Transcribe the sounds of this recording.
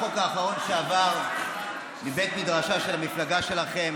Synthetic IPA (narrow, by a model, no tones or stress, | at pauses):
okaːχaʁo̞nʃeavaʁ | mibe̞t̪midʁaʃaʃe̞lhamiflaɡaʃe̞laχe̞m